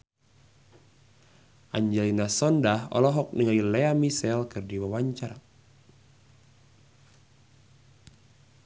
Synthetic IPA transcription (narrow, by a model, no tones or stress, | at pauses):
ʔaɲd͡ʒɛlinasɔndaɦɔ̰lɔɦɔk̚niŋailɛamisɛlkɨrdiwawaɲt͡ʃar